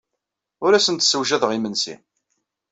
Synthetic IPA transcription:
ʊɾæsənt̪səwʒæðəʁimənsḭ

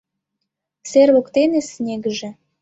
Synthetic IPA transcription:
serβokt̪enesnʲeɡəʒĕ

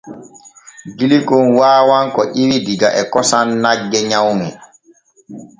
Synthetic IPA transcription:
ɡilikonwaːwaŋkɔʔiwidiɡaʔɛkɔsanːaɡːɛɲawmi

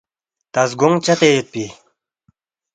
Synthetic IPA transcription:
t̪asɡoŋt͡ɕat̪ejət̪̚pi

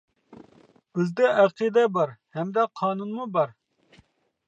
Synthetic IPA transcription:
b̥ɪzd̪ɛʔæqʰid̪ɛbɑɾhɛmd̪ɛqʰɑːnunmubɑɾ

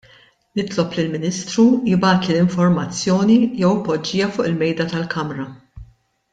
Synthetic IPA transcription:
nɪt̪lɔplilmɪniːst̪ɾujɪbɐːt̪ilɪɱfɔɾmɐt͡sːjɔːnijɛwpːɔd͡ʒːiːjɐfʊːʔɪlmɛjd̪ɐt̪ɐlkʰɐmɾɐ

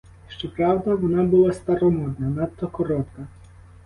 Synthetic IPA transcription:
ʃt͡ʃɔpɾɑwd̪ɐʋɔnɑbʊlˠast̪ɐɾɔmɔd̪nɐnɑt̪ːɔkɔɾɔt̪kɐ

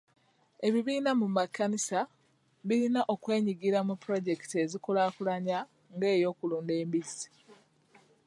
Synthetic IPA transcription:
e̞βiβiːnamumakːanisa | βilinaʔo̞kwe̞ːɲiɡiɾamupːɾo̞ɟe̞ki̥te̞zikolaːkulaɲa | ŋɡe̞ːjo̞ːkuluːnde̞ːmbizii

